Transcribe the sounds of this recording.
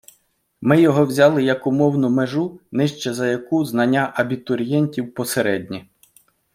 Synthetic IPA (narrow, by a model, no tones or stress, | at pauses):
mɪjɔɦɔwzʲɑlˠɪjɐkʊmɔwnʊmeʒunɪʃt͡ʃɛzɐjɐkuznɐnʲːaʔɐbʲit̪ɔɾʲjɛnʲtʲiwpɔseɾɛdʲnʲi